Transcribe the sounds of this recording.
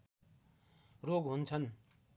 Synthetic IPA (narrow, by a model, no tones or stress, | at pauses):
roɡɦunt͡sʰʌn